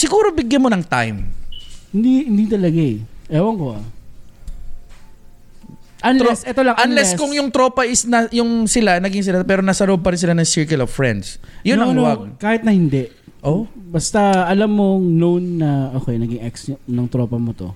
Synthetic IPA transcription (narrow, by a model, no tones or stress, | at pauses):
sɪɡuːɾobɪɡjɐnmonɐŋt̪a̰jmhɪnd̪ihɪnd̪it̪ɐlɐɡaɛʔɛːwɐŋkoa | ʔɐnɾosʔɛt̪olɐŋʔɐnlɛskʊŋjʊŋt̪ɾo̞ːpɐʔɪsnɐjʊŋsɪlanɐɡɪŋs̬ɪlapɛːɾo̞nɐsɐɾʔob̚pɐɾɪns̬ɪlanɐŋsɪɹkɪlov̥fɹɛ̰nd̪sjʊnɐwakaːhɪt̪̚nɐhɪnd̪ɛʔ | ʔoːbɐst̪ɐɐlamːoŋnownːɐʔoːkɛnɐɡɪŋɛksnɐŋt̪ɾoːpɐmot̪o̰